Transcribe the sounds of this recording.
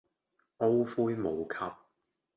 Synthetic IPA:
ʔo˥wfuː˥jmo˨˧wkʰɐ˥p̚

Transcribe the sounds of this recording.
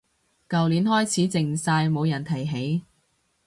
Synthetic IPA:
kɐ˨wliː˨˥nhɔː˥jt͡sʰiː˨˥t͡sɪ˨ŋsaː˧jmo˨˧wjɐ˨˩nt̪ʰɐ˨˩jɦe˨˥j

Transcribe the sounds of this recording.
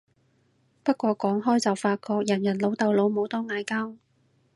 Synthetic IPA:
pɐ˥t̚kʷɔː˧kʷɔː˨˥ŋɦɔː˥jt͡sɐ˨wfaː˧t̚kɔː˧k̚jɐ˨˩njɐ˨˩nlo˨˧wt̪ɐ˨wlo˨˧wmo˨˧wt̪ɔː˥ŋaː˨˧jkaː˥w

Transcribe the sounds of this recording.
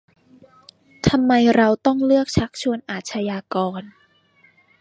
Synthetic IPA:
t̪ʰa˧mːa˧jɾa˧wt̪ɔ˥˩ŋlɯ˥˩ək̚t͡ɕʰa˦˥k̚t͡ɕʰu˧ənʔaː˨˩t̪̚t͡ɕʰa˧jaː˧kɔː˧n

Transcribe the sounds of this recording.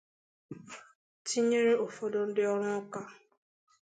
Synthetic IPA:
tʰi˦ɲe˦ɾe˦o˨fo˦do˦n̩˦dɪ˦ɔ˦ɾ̃ʊ̃˦ka˦

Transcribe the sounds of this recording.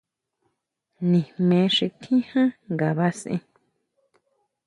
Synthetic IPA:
nĩ˨mẽ˧ʂi˧t̪ʰĩ˦hã˦ŋɡa˨βa˧sʔḛ̃˧

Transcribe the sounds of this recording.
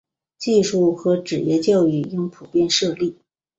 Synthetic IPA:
t͡ɕi˥˧ʂu˥˩xɤ˧˥ʈ͡ʂɻ̩˨˩jɛ˥˧t͡ɕjɑ˥˧ʊy˥˩i˥ŋpʰu˨˩pjɛ˥˧nʂɤ˥˧li˥˩

